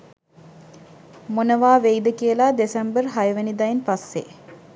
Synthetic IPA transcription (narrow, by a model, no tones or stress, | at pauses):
monəʋaːʋejd̪əkiəlad̪esɛmbərɦajəʋenid̪ajenpasːḛ